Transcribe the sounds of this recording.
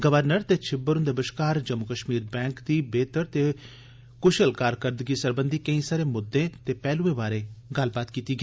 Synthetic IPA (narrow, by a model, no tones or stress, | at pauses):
ɡəʋəɾnəɾt̪eːt͡ʃʰɪbəɾʊ̃nd̪əbəʃkaːɾd͡ʒəmʊkəʃmiːɾbɛ̃ːŋkd̪iːbeːt̪əɾt̪eː | kʊʃəlkaːɾkəɾd̪ɡiːsəɾbənd̪iːkə̃ĩːsaːɾẽːmʊd̪ːẽːt̪eːpɛːluẽːbaːɾẽːɡɐlbaːt̪kiːt̪iːɡe